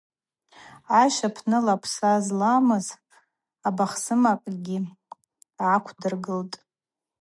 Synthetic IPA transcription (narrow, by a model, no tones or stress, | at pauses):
aʃapʰnɨlapʷʰsazlamɨz | abaχsɨmakʼɡʲi | akʷʰdɨrɡɨltʼ